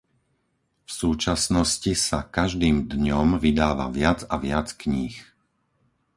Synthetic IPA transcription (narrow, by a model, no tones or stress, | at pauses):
fsuːt͡ʃasnɔscisakaʒd̪iːmd̪ɲɔmʋid̪aːʋa̰ʋɪad͡zaʋɪat͡skɲiːx